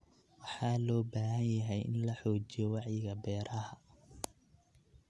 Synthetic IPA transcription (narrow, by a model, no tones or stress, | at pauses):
wɑħɑːlɔːbaːɦɐnjɐɦɛjʔɪ̰nlɐħɔːt͡ʃijɔwɑʕjɪɣɐbɛːɾʔɐɦɐ